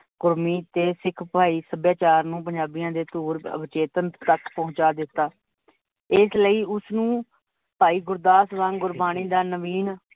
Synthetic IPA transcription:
kʊɾmiːt̪eːsɪkʰpaːiːsəbjaːt͡ʃaːɾnũːpəɲd͡ʒaːbijãːd̪eːt̪uːɾə̰bɪt͡ʃeːt̪ənt̪əkpɔɦʊ̃ɲt͡ʃaːd̪ɪt̪ːaː | ɪsləiːʊsnũː | paːiːɡʊɾd̪aːsʋãːŋɡʊɾbaːniːd̪aːnəʋiːn

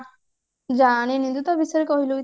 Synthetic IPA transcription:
d͡ʒaːñenĩnd̪ut̪abiseɾekɔɦiloi

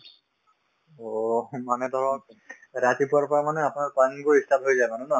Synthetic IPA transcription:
omanɛt̪ɔɹɔ̃ | ɹat̪ipaɹpɔɹamanɛapʊnaɹpaŋkoistʰapɦojzajmanũna

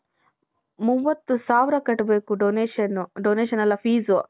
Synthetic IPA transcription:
muʋːɐt̪ːusaːʋɾɐkɐʈːubeːkuɖoneɐnuɖoːneːʃɐnɐlːɐpʰiːzu

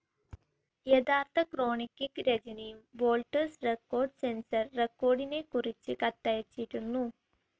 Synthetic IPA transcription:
jed̪aːrt̪ʰɐkro̞ːɳikːikɾed͡ʑɐnɐjumʋo̞ːlʈɐrsrekːo̞ːrɖsensɐrːekːo̞ːɖine̞kurit͡ɕːɨkɐt̪ːɐjɐt͡ɕːiʈːunːu

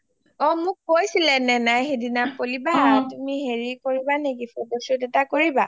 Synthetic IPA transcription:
ɔmʊk̚ːojsilɛnɛnajxedinapolibatumiɦeɹikoɹibanekifɔdɔsʊdɛtakoɹiba

